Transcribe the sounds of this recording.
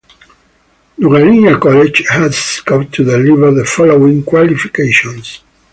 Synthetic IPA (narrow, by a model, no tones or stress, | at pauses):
nuɾalĩnjakɔled͡ʒhæzskɔp̚t̪ʰud̪ɛlivə˞ðəfɔloĩŋkwalifi̥keʃɔ̃ns